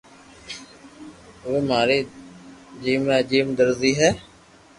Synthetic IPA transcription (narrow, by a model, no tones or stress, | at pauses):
ʋeːmaːɾeː | d͡ʒiːmẽːd͡ʒiːmd̪əɾziːɦɛː